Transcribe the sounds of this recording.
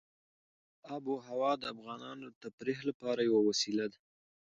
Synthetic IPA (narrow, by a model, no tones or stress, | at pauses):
abuɦawɑd̪əafɣɑnɑnod̪ət̪apɾexlapɑɾajawawasilad̪a